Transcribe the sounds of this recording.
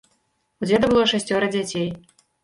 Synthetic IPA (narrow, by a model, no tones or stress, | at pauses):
ud͡zʲɛd̪ɐbɨlˠɔʂasʲt͡sʲɔɾɐd͡zʲat͡sʲej